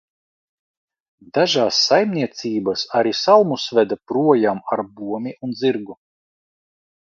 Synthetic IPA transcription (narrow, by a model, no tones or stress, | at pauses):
d̪aʒaːsːajmnʲiɛt̪siːbasaɾisalˠmusvɛd̪apɾuɔjamaɾbuɔmʲiʔund̪ziɾɡu